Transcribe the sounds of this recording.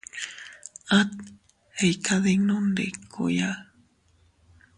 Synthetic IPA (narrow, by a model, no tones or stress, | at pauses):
at̪̚ | ejkʰaðeŋnondḛkʰo̰ja